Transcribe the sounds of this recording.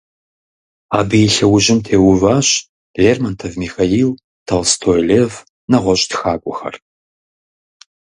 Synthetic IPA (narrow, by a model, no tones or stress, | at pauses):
aːbɨjɪɬɐwʊʑɪmtʰeːwʊvaːɕ | ɮeːrmɐntʰɐvmixajiːl | tʰɐlstʰojleːv | nɐʁʷɔɕʼtxaːkʷʼʊxɐ̰r